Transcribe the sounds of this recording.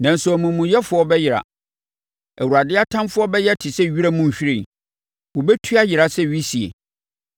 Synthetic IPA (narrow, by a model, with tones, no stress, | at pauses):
nã˨n̩˨sʊ˨æ˨mũ˨mũ˨jɛ˦fʊ˨˦ɔ˦bɛ˦jɪ˨ɾa̰˨ | æ˨wu˨ɾa˨dɪ˦a˦tʰã˦mfʊ˦ɔ˦bɛ˦jɛ˦tʰɪ˨sɛ˦ɥi˦ɾa˦mũ˦˨m̩˨ɕᶣɾĩ˨ | wʊ˨bɛ˦tʰu˦a˦jɪ˨ɾa˨sɛ˦ɥi˦si˨ḛ˨